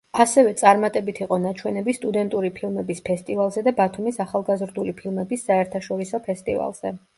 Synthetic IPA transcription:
asɛvɛt̪sʼaɾmat̪ʼɛbit̪ʰiqʼɔnat͡ʃʰwɛnɛbist̪ʼud̪ɛnt̪ʼuɾipʰilˠmɛbispʰɛst̪ʼivalˠzɛd̪abat̪ʰumisaχalˠɡazɾd̪ulipʰilˠmɛbisːaɛɾt̪ʰaʃɔɾisɔpʰɛst̪ʼḭva̰lˠz̥ɛ̰

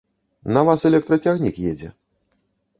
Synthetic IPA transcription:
nɐvasɛlʲɛk̚t̪ɾɐt͡sʲaɣnʲikjɛd͡zʲɛ̰

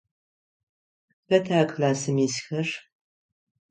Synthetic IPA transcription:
pɐtʰaːkʰlaːsɨmisxɐr

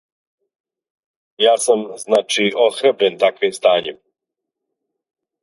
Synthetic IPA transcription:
jaːsamznaːt͡ʃiʔoxɾabɾent̪akʋimst̪aːɲe

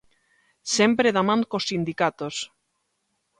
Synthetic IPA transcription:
sempɾeðamãŋkosːind̪ikat̪os

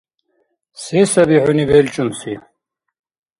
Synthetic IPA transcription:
sɛsɐbiʕʊnibɛlt͡ʃʼunsi

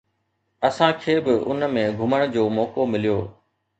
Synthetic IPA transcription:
ɐsãkʰeːbɪʔʊ̰nmẽɡʱʊməɽ̃d͡ʑoːmɔːkomɪlijoː

